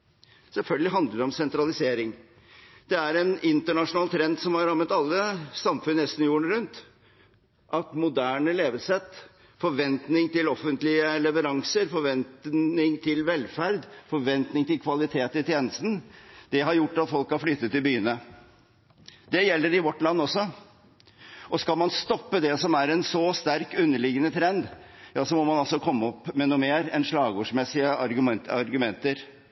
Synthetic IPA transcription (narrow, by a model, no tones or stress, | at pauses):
sɛlfœlɡəlɪɦɑnd̪əɖ̪əɔmsɛnt̪ɾɑlɪseːɾɪŋ | d̪̥ɛæɾɛnɪnt̪əɳɑʂʊnɑːlt̪ʰɾɛnd̪sɔmhɑɾɾɑmːət̪ɑlːəsɑmfʉnːɛst̪n̩juːəɳɾʉnt̪ | ʔɑt̪mʊd̪æːɳəleːʋəlsɛt̪ | fɔɾʋɛnt̪nɪŋt̪ɪlɔfənt̪lɪəlɛʋəɾɑŋsəɾfɔɾʋɛnt̪nɪŋt̪ʰɪlʋɛlfæɾd̪fɔɾʋɛnt̪nɪŋt̪ɪlkʰʋɑlɪt̪ʰeːt̪ɪt̪ʰjeːnəst̪n̩d̪̥ɛɦɑɾjʊʈːɑt̪fɔlkhɑɾflyt̪ːət̪ːɪlbyːənə | d̪ɛjɛlːəɾɪʋɔʈːlɑnːɔsːɔ | ɔskɑlmɑnst̪ɔpːəd̪ɛsɔmæɾɛnsɔst̪æɾkʉnːəɭɪɡənət̪ʰɾɛnd̪jɑːsɔmɔmɑnɑlsɔkʰɔmːəɔpːmɛnuːmeːɾɛnʂɭɑːɡuːʂmɛsːɪəɑɾɡʉmɛɑɾɡʉmɛnt̪əɾ